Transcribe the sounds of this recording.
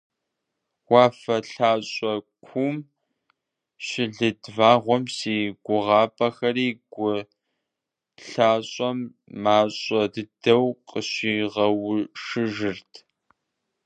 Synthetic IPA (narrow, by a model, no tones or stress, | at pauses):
wɑːfɐɬaːɕʼɔkʷʰum | ɕɪɮɨdvaːʁʷɔmsiːɡʷʊʁɑːpʰʼɐxɐɾiːɡʷʊ | ɬaːɕʼɔmː | aːɕʼɐdɨdɐwqʼəɕiːʁɐwʊʂɨʒɨrtʰ